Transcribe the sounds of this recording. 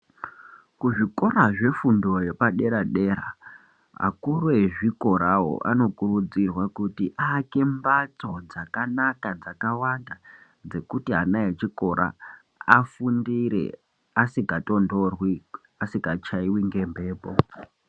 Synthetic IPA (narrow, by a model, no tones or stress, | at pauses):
kuʐiko̞raʐe̞fundo̞je̞paɗe̞ɾaɗe̞ːɾa | ɦa̰kurueʐiko̞ɾawo̰ʔa̰no̞kurud͡zirwakutiʔake̞mbat͡so̞d͡zakanakad͡zakawanda | d͡ze̞kutiɦanaet͡ʃiko̞ɾʔa̰ | afundiɾḛ | asiɡato̞ndo̞rwi | asikat͡ʃaiwiŋɡe̞mbe̞ːpo̰